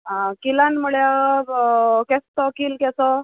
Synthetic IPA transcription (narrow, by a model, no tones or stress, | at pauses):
kilanməɭja | kɛst̪ɔkilkɛsɔ